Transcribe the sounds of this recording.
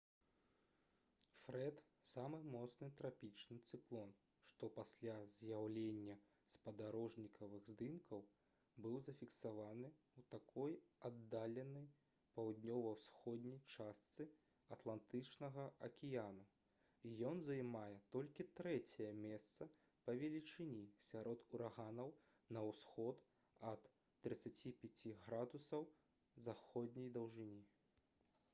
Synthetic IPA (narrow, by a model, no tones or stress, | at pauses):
fɾɛt̪ | samɨmɔt̪snɨt̪ɾapʲit͡ʂnɨt̪sɨklˠɔn | ʂt̪ɔpasʲlʲazʲjawlʲenʲːɐ | spɐd̪aɾɔʐnʲikʰɐvɨɣzd̪ɨmkʰɐw | bɨwzɐfʲiksavanɨ | wt̪akʰɔjad̪ːalʲɛnɐj | pawd̪nʲɔvɐwsxɔd̪ʲnʲɐjt͡ʂast̪sɨ | ɐt̪lˠant̪ɨt͡ʂnɐɣɐɐkʲijanu | ijɔnzɐjmajɛt̪ɔlʲkʲit̪ɾɛt͡sʲɛjɐmʲɛst̪sɐ | pɐvʲɛlʲit͡ʂɨnʲisʲaɾɔt̪uɾaɣanɐw | nɐwsxɔt̪ | ɐt̪ː | ɾɨt̪sːat͡sʲipʲat͡sʲiɣɾad̪usɐw | zaxɔd̪̚ʲnʲɛjd̪ɐwʐɨnʲi